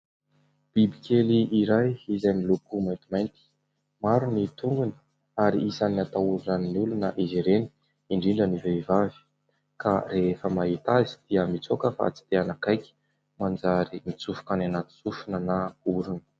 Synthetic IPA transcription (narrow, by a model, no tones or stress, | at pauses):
b̥ibikʰeliʔːɾajizajmilukumajnt̪imajnt̪i̥ | maɾunit̪uŋɡuni̥ | aɾḭʔisaniat̪auɾunaniniulunəʔiziɾeni̥ | iɳɖ͡ʐiɳɖ͡ʐəniveivavi̥ | kʰareefəmaɦit̪azid̪̥iəmit͡sokəfa̰t͡si̥t̪eanakajkʲi̥ | mand͡zaɾimit͡sufu̥kananat̪i̥t͡sufunənauɾunə̥